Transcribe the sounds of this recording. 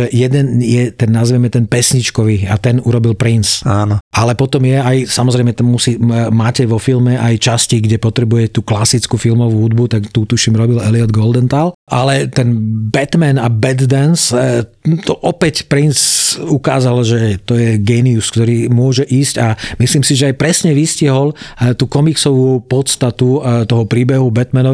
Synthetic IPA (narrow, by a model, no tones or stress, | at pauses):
ʒɛjɛd̪ɛnjɛt̪ɛnːaziʋɛmɛt̪ɛnpɛsɲit͡ʃkɔʋiat̪ɛnuɾɔbilpɾinsaːnɔʔalɛpɔt̪ɔmjɛajsamɔzɾɛɪmɛt̪amːusimaːcɛʋɔfilmɛʔajt͡ʃasciɡɟɛpɔt̪ɾɛbujɛcɛt̪uːklasit͡skufilmɔʋuːɦud̪̚but̪akt̪ut̪uʃimɾɔbilɛliɔd̪ɡɔld̪ɛnt̪alʔalɛt̪ɛnbɛt̪mɛnabɛd̪d̪ans | t̪ɔʔɔpɛcpɾinsukaːzalʒɛt̪ɔjɛɡɛniuskt̪ɔɾiːmʊɔʒɛʔiːscamisliːmsiʒɛajpɾɛsɲɛʋisciɦɔlt̪uːkɔmiksɔʋuːpɔt̪st̪at̪ut̪ɔɦɔpɾiːbɛɦubɛt̪mɛnɔ